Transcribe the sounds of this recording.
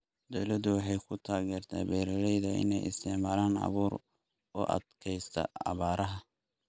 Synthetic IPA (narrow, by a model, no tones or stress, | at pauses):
d̪ɔwlɐd̪ʊwɑħɑjkʰʊt̪ʰaːɣɛːrt̪ʰa̰ːbɛːɾɾɛjðɐɪ̰nɛ̰jɪst̪ʰɛʕmaːlaːnɑ̰βuːɾ | ɔːʔɐ̰d̪kʰɛjst̪ʰɐ̰ɑ̰βaːɾɐɦɐ